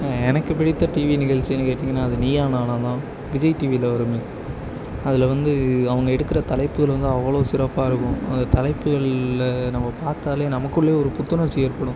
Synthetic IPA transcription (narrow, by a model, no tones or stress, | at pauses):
ɛnɐkːɯpɪɽɪt̪ːɐʈiːʋinɪɣɐɭt͡ʃiɛnːɯkeːʈːiŋɡɐnːaːɐðɯniːjaːnaːnaːt̪ãː | bɪd͡ʒɐɪʈiːʋilɐʋɐɾɯmeː | ɐðɪlʋɐnd̪ɯɐʋɐŋɡɐɛɽɯkːɪɾɐt̪ɐlɐɪpːɯɣɐɭʋɐnd̪ɯɐʋːɐɭoːsɪɾɐpːaːɪɾɯkːʊ̃ɐ̰nd̪ɐt̪ɐlɐɪpːɯɣɐɭnɐmːɐpaːɾt̪aːleːnɐmɐkːɯɭːeːɔɾɯpʊt̪ːɯnɐ̃sɛjɐɾpɐɽʊ̃